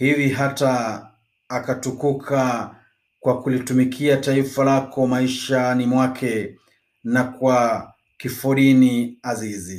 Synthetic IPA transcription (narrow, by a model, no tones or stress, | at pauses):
hiviɦataː | katukukʰa | kwakulitumikʰiataifalakʰɔmaiʃanimwakʰɛ | nakwa | kifuɾiniazizi